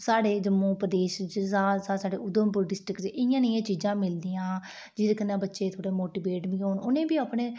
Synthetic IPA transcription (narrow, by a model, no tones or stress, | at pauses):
saːɽeːd͡ʒəmuːpɾəd̪eːʃd͡ʒsaːsaːsaːɖeːʊd̪əmpʊɾɖɪsʈɾɪkd͡ʒeʔɪjãːnɪjãːt͡ʃiːd͡ʒãːmɪld̪iːãː | d͡ʒiːd̪eːkənːãːbətːʃeːt̪ʰoːɽeːmoːʈiːbeːʈbĩːɦoːɳʊnẽːbiːaːpɳẽː